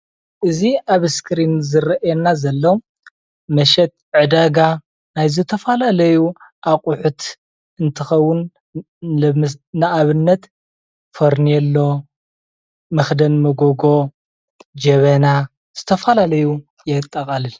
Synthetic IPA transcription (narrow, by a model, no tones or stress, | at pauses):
ʔɨziʔaβskʰɾinzɨɾɐʔɛnazɐlːo | mɐʃɛt̪̚ʕɨd̪aɡa | najzɨt̪ʰɐfalalɐjuʔaqʼuħut̪ | ɨnt̪ʰɨxɐwːʊn | ɐmnaʔaβɨnːɐt̪ | foɾniɛlːo̞ | mɨxd̪ɐnmɨɡoɡo̞ | d͡ʒɐβɐna | z̥ɨt̪ʰɐfɐlalɐju | jɛt̪ʼːɐkʼɐlɨl